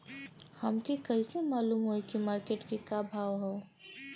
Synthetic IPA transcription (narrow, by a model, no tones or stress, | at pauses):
hɐmkekɐisemaːluːmɦoikimaːɾkeːʈkikabʱaːʋɦoː